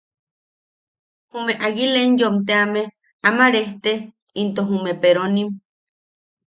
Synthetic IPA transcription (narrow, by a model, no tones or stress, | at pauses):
humeʔaɣilenjomt̪̬eame | amaɾeht̪e | int̪oɦumepeɾonim